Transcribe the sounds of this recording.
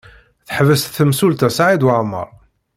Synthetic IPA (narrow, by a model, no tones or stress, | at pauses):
θħəvəst̪θəmsult̪æsʕid̪wəʕmːə̰ɾˤ